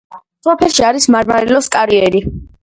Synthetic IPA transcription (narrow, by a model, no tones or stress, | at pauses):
sɔpʰɛlʃiaɾismaɾmaɾilɔskʼaɾiɛɾi